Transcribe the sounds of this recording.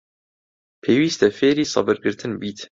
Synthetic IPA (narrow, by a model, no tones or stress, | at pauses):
pʰeːwiːst̪ɛfeːɾiːsˤɑ̰bɨɾɡɨɾt̪ʰɨnbiːt̪ʰ